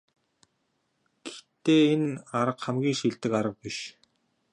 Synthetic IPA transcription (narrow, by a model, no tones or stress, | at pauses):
ɡ̥ext̪eːenaɾə̆qχamɡʲiːŋʃiɮt̪ɘ̆kaɾə̆q̚piʃ